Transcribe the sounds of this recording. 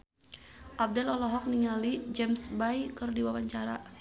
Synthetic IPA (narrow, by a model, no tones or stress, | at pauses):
ʔab̚dɛlɔlɔɦɔk̚niŋalid͡ʒɛmsbajkɨrdiwawaɲt͡ʃaɾa